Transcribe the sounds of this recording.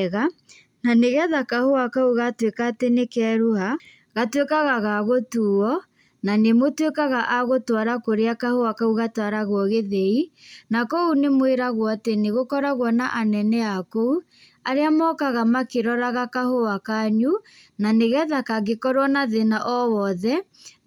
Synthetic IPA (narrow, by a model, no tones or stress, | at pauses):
ɣa | naneɣɛðakahoakauɣatwekatenekɛːɾuha | ɣatwekaɣaɣaɣotuɔ | nanemotwekaɣaʔaɣotwaɾakoɾeakahowakauɣatwaɾaɣwɔɣeðeinakɔunemweɾaɣwɔateneɣokɔɾaɣwɔnaʔanɛnɛakou | aɾeamɔkaɣamakeɾɔɾaɣakahowakaɲu | naneɣɛðakaɣekɔɾwɔnaðenaʔɔwɔðɛ